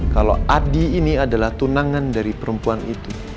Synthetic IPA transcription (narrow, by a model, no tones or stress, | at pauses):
kalo̰ʔadiːniadalaht̪unaŋandaɾipəɾəmpuanit̪u